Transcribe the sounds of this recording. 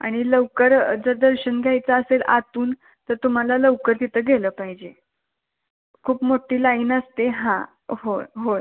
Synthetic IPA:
a̰ɽ̃iləʋkəɾd͡zəd̪əɾɕənɡʱjajt͡saəsela̰t̪uːn | t̪əɾt̪um̤alaləʋkəɾt̪it̪ʰəːɡʱeləːpaɦid͡ʑe | kʰuːpmoʈiːlaiːnəst̪eɦã | ɦoɦoj

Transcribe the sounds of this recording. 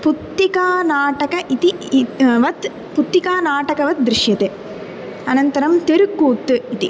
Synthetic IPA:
put̪ːikaːnaːʈɐkɐʔit̪iʋɐt̪ | put̪ːikaːnaːʈɐkɐʋɐt̪̚d̪ɾɪʃjɐt̪e | ɐnɐnt̪ɐɾɐmt̪eɾukːuːt̪ːɨit̪i

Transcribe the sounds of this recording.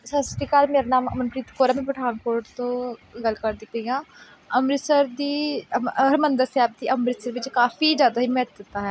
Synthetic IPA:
səsʈiːkaːlmeːɾanaːmə̰mənpɾiːt̪koːɾaːmẽːpəʈʰaːnkoːɾʈt̪õːɡəlkəɾd̪iːkəijãː | əmɾɪsəɾd̪iː | ɾmənd̪əɾsɛːb̚d̪iːʔəmɾɪsəɾʋɪt͡ʃkaːfiːzjaːd̪aːɦiːmɛt̪̚d̪ɪt̪ːaːɦɛː

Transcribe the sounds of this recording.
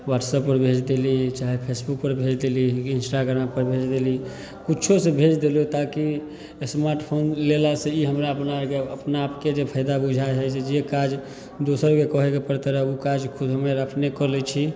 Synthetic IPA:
waʈsəpːəɾbʱed͡ʒd̪elit͡ʃaɦepʰesbuk̚pəɾbʱed͡ʒd̪eliinsʈaɡɾampəɾbʱed͡ʒd̪eli | kut͡ʃʰosẽbʱed͡ʒd̪elot̪aki | smaɾʈpʰonlelasẽiɦəmɾaəpnakeəpnaːpked͡ʒepʰəjd̪abud͡ʒʱajɦəsed͡ʒekad͡ʒ | d̪osəɾkekəɦekepəɾt̪eɾəukad͡ʒkʰud̪ʱɦəmeɾəpʰnekəɾlɛt͡ʃʰi

